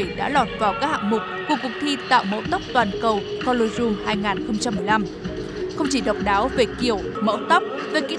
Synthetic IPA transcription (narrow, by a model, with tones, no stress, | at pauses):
jɗa̰ː˧˥lɔ˨˩t̚vaː˨˩wkaː˦˥k̚ha̰ː˧˨˩ŋmʊ˨˩k͡p̚kːu˧˩əkʊ˨˩k̚t̪ʰi˧t̪a̰ː˧˨wmə̰˧˥wt̪ə˦˥p̚t̪waː˨˩nkə˨˩wkɔ˧lo˧jzu˧ŋhaː˧jŋaː˨˩nxə˧wŋ͡mt͡ɕa˧mːɨ˨˩əjla˧m | xə˧wŋ͡mt͡ɕi˧˩ɗə˨˩wk͡p̚ɗaː˨˦wve˨˩ki˧˩əw | mə̰˧˥wt̪ə˦˥p̚ve˨˩kḭ˧˥